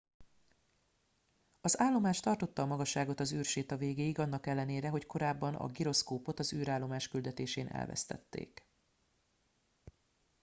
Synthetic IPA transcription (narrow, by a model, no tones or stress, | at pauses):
ɒzaːlːo̞maːʃt̪ɒrt̪o̞t̪ːɒːmɒɡɒʃːaːɡo̞t̪ɒzyːrʃeːt̪ɒveːɡeːiɡɒnːɒkɛlːɛneːɾɛɦo̞cko̞ɾaːbːɒnʔɒ̰ɡiɾo̞skoːpo̞t̪ɒzyːɾaːlːo̞maːʃkyld̪ɛt̪eːʃeːnʔɛ̰lvɛ̰st̪ɛ̰t̪ːḛːk